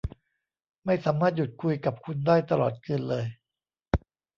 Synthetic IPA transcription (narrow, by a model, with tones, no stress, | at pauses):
ma˥˩jsaː˩˦maː˥˩t̪̚ju˨˩t̪̚kʰu˧jka˨˩p̚kʰu˧ndaː˥˩jt̪a˧lɔː˨˩t̪̚kɯː˧nlɤː˧j